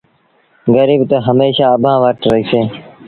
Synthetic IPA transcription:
ɡəɾiːbt̪əɦəmeːʃaːəbʱãːʋəʈɾəɦiːseː

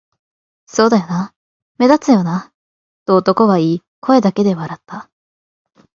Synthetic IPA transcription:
so̞ːd̪ajona | me̞d̪at͡sɨjo̞na | t̪ːoːt̪o̞ko̞βaiː | kʰo̞e̞d̪ake̞d̪e̞βaɾat̪ːa

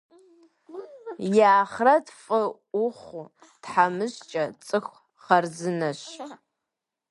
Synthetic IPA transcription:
jaːχrɐtfʼɨ | ʊχʷu | tħamɨʑt͡ʃʼɐt͡sʼɨxʷ | χɐrzɨnɐɕ

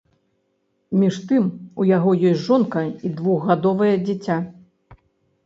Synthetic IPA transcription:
mʲiʂt̪ɨmujaɣɔjɔsʲtʲʐɔnkɐid̪vuɣːad̪ɔvɐjɛd͡zʲit͡sʲa

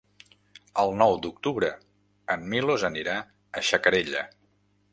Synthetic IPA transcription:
əlˠnɔwd̪uk̚t̪uβɾə | əmmilozəniɾa | əʃəkəɾeʎə̰

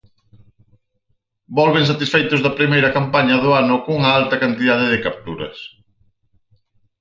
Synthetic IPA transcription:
bɔlβɪ̃ŋs̬at̪isfejt̪ʊzðɐpɾimejɾɐkampaɲɐðʊanʊkuŋɐalt̪ɐkant̪iðað̞ɪðɪkap̚t̪uɾɐ̰s

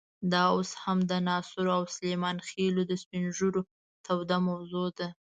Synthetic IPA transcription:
d̪ɑoshamd̪ənɑsʊɾoawslemɑnxelod̪əspinʒuɾo | t̪ʰawd̪amawzod̪a

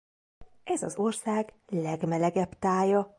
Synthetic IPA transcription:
ɛzɒ̰zo̞rsaːɡlɛɡmɛlɛɡɛpt̪aːjɒ

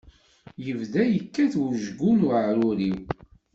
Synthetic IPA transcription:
jəvðæjəkːæθwuʒɡunuʕɾʊɾiw

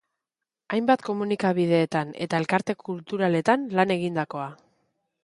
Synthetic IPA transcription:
ajmbat̪ko̞munikaβið̞e̞ːt̪ane̞̰t̪ae̞lkaɾt̪e̞kʰult̪uɾale̞t̪anlane̞ɣ̞ind̪ako̞a

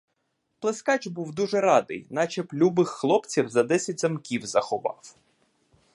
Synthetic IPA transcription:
plˠeskɑt͡ʃbuwd̪uʒɛɾɑd̪ɪ̰jnɑt͡ʃɛplʲubɪxːlˠɔpt͡sʲiwzɐd̪ɛsʲɐt̚ʲzɐmkʲiwzɐxɔʋɑ̰w

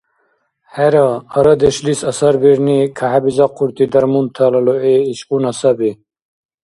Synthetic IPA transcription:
heɾɐɐɾɐd̪eɕlisɐsɐɾbiɾnikʰahabizaqʰuɾt̪id̪ɐɾmunt̪ʰalɐloeːɕunɐsɐbi

